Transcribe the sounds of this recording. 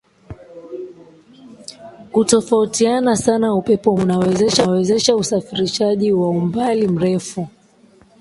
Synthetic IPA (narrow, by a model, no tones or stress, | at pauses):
kutɔfautianasanaupɛpɔmunawɛzɛʃawɛzɛʃausafiɾiʃaʄiwaumbalim̩ɾɛfu